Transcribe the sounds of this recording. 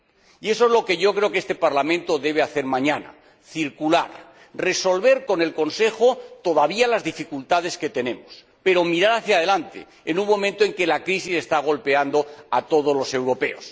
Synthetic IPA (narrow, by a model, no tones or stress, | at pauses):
ie̞soezlo̞ke̞ʝo̞kɾe̞okest̪e̞paɾlamẽnt̪o̞ðe̞βeaθe̞ɾmãɲana̰ | θiɾkulaɾ | re̞so̞lβe̞ɾko̞ne̞lko̞nse̞xot̪o̞ðaβialazðifikult̪að̞e̞ske̞t̪e̞nẽ̞mos | pe̞ɾo̞miɾaɾaθjað̞e̞lant̪e̞̰ | enuŋmõ̞mẽnt̪oe̞ŋke̞lakɾisise̞st̪aɣ̞o̞lpe̞and̪oat̪o̞ð̞o̞zlo̞se̞wɾo̞pe̞os